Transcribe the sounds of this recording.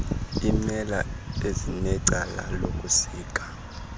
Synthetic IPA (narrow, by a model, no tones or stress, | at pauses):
imɛla̰ezinɛǀala̰lokʼusiːkʼḁ